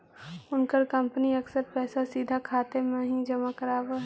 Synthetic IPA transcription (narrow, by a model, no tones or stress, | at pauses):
ʊnkəɾkə̃mpəniɐksəɾpɛːsasiːd̪ʱakʰaːt̪emẽɦĩd͡ʒɐmakəɾaːwaɦ